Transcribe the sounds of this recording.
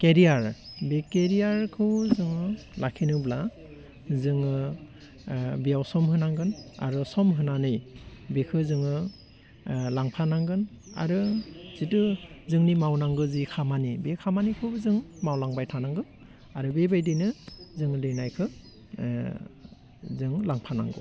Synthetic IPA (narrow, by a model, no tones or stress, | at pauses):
keɾiaɹbekeɾijaɹkʰɯwzɯŋɯlakʰinɯbla | zɯŋ | bijawsɔmɦɯnaŋɡɯna̰ɾusɔmɦɯnanɯjbekʰɯzɯŋɯ | laŋpʰanaŋɡɯna̰ɾɯz̥itɯzɯŋnimawnaŋɡɯzikʰamanibekʰamanikʰɯzɯŋmawlaŋbajtʰanaŋɡɯ | aɾɯbebajdinɯzɯŋlɯjnajkʰɯ | zɯŋlaŋpʰana̰ŋɡɯ̰